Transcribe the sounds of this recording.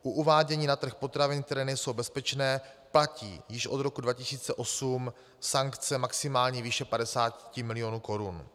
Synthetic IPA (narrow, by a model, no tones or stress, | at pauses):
ʔuʔuvaːɟɛɲiːnat̪r̩xpo̞t̪ɾavɪnk̚t̪ɛɾɛːnɛjso̞wbɛspɛt͡ʃnɛːplacḭːjɪʃʔo̞d̪ɾo̞kudvacɪsiːt͡sɛʔo̞sum | saŋkt͡sɛmaksɪmaːlɲiːviːʃɛpadɛsaːtcɪmɪlɪjo̞nuːko̞ɾun